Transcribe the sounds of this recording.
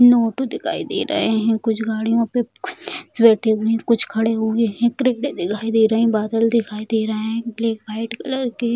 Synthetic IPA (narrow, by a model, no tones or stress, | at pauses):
noːʈod̪ɪkʰa̰ːid̪ḛːɾɐ̰ɦeɦɛ̃kʊt͡ʃʰɡaːɽijõpe | sbeːʈʰeẽkʊt͡ʃʰkʰɐɽeɦʊeɦɛ̃kɾeːɖed̪ɪkʰaːid̪eːɾɐɦĩbaːd̪əld̪ɪkʰaːid̪eːɾɐɦeɦɛ̃bleːkbaːɪʈkɐləɾke